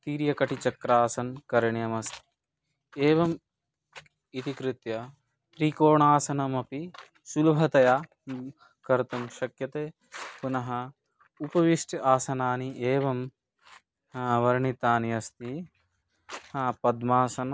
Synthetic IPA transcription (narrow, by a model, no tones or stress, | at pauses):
t̪iːɾjɐkɐʈit͡ʃɐkɾaːsɐnkɐɾɐɳjɐmɐst̪i̥ | eːʋɐm | it̪ikɾit̪jɐ | t̪ɾikoːɳaːsɐnɐmɐpi | sulɐbʱɐt̪ɐjaː | kɐɾt̪ɐmʃɐkjɐt̪eː | punɐɦɐ | upɐʋiʂʈɐaːsɐnaːniʔeːʋɐm | ʋɐɾɳit̪aːniɐst̪i | pɐd̪maːsɐn